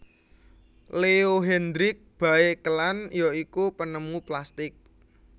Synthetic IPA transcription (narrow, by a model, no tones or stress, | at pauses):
leoɦɛnd̪ɾɪk̚b̥a̤ekəlanjɔikupənəmuplast̪ɪk̚